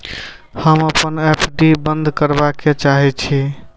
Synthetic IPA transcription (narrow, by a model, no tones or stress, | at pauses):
həməpənepɖibənd̪ʱkəɾbaket͡ʃaɦɛt͡ʃʰi